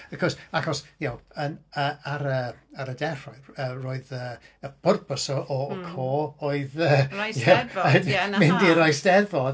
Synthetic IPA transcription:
əkʰɔsaxɔsjawənəːaɾəaɾədɛr̥ɔjəroːɨðəː | əb̥ʊrpəsɔʔɔkʰoːoɨðəjɛəmɪndiəɾajsd̥ɛvɔd

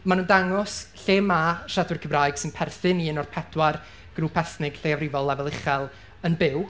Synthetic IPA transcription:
manundaŋɔsɬeːmaʃadʊrkʰəbrajɡ̥sɨnpʰɛrθɨninɔrpʰɛd̥war | ɡ̥ruːpʰɛθnɪɡ̥ɬeːavrɪvɔlˠːavɛlˠɪχɛlˠ | ənbɪw

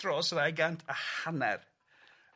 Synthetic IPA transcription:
rɔsɔðaɡantʰahanɛ̰r

